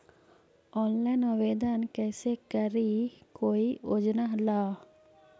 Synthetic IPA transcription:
ɔːnlaːnəʋeːd̪aːnkɛːseːkəɾiːkoːiːʔod͡ʒnaːɦlaː

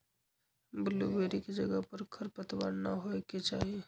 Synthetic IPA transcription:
bɪlṵbeːɾikid͡ʒɐɡəɦpɐɾkʰəɾpət̪ʋaːnnaɦoeket͡ʃa̰ːɦie

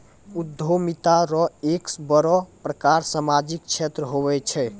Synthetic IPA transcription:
ud̪ʱomit̪aɾɔeksbɔɾɔpɾəkaɾsamad͡ʒikt͡ʃʰet̪ɾəɦoβɛt͡ʃʰɛ

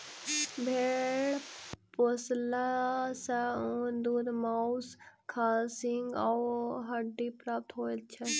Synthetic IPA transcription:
bʱeɽposlasaund̪uɾmawskʰaːsiŋɡawɦɐɖipɾaːp̚t̪ɦoːt͡ʃʰɛ

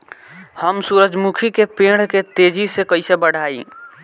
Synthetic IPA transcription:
həmsuɾəd͡ʒmukʰikepẽɽ̤ket̪ed͡ʒisekəɪsebəɽ̤ʱaːḭ

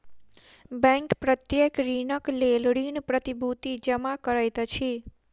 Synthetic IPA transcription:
bɛ̃ŋkpɾət̪jekɾinəklelɽinpɾət̪ibʱut̪id͡ʒəmakəɾajt̪ət͡ʃʰe

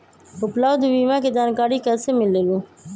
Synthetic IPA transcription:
ʊpləʋd̪ʋiːmãːked͡ʒaːnkaːɽiːkəseːmɪleːlũː

